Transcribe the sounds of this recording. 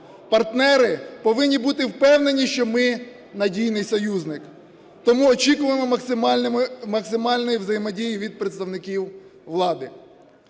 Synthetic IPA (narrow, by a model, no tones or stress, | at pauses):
pɐrt̪nɛɾɪpɔʋɪnʲːibut̪ɪwpɛwne̞nʲiʃt͡ʃɔmɪ | nɐdʲijnɪjsɔjuznɪk | t̪ɔmuɔt͡ʃikʊʋemɔmɐsɪmʲmmɐksɪmɑlʲnɔjiʋzɐjɪmɔdʲijiʋʲid̪̚pɾet̪st̪ɐwnɪkʲiwʋlˠɑd̪ɪ